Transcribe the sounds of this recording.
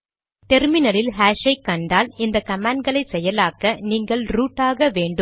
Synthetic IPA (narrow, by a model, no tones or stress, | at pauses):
t̪ɛɾmɪnɐlɪlɦaːʂɐɪkːɐɳɖaːlɪnd̪ɐkɐmaːɳɖɡɐɭɐɪsɛjːɐlaːkɐniːŋɡɐɭɾuːʈːaːɣɐʋeːɳɖɯ